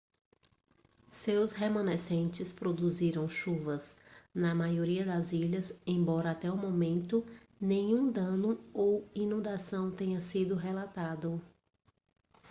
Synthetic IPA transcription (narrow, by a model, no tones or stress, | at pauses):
sewshemɐ̃nesẽnt͡ʃɪspɾod̪uziɾɐ̃w̃ʃuvɐsnɐmajoɾiɐd̪ɐziʎɐzẽj̃bɔɾɐat̪ɛumõmẽnt̪ʊ | nẽɲũd̪ɐ̃nʊowinũnd̪asɐ̃w̃t̪ẽɲɐsid̪ʊɦelat̪ad̪ʊ